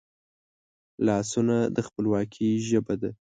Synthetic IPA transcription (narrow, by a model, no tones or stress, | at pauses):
lɑsunad̪əxpəlwɑkʰiʒəbad̪a